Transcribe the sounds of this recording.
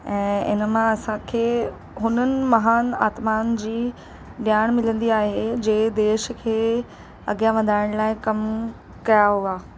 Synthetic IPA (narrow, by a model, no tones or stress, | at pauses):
ɛ̃ːɪ̰nmãɐsãkʰeː | ɦʊnənɪ̆mɐɦaːna̰ːt̪maːnd͡ʑiː | ɗɪjaːɽ̃mɪlə̃nd̪iaːɦed͡ʑeːd̪eːʃkʰeː | ɐɡjaʋɐd̪ʱaːɪɽ̃laːɪkɐm | kɐjaɦuaː